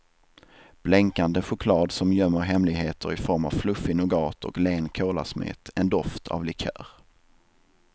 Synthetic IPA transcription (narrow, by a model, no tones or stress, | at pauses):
b̥lɛŋkand̪əɧʊkʰlɑːd̪sɔmjœmːəɾɦɛmlɪɡɦeːt̪ʰəɾɪfɔɾmavflɵfːɪnɔɡɑːt̪ʰɔ̰kleːnkʰoːla̰smɪ̰ːt̪ʰɛnd̪ɔft̪ʰa̰vlɪkʰø̰ːɾ